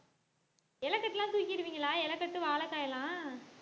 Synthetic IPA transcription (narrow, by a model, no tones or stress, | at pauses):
ɛlɐkːɐʈːɪlãːt̪uːɪkːɪɪɾɯʋiːŋɡɐlaːɛlɐkːɐʈːɯʋaːlɐkːaːjɐlãː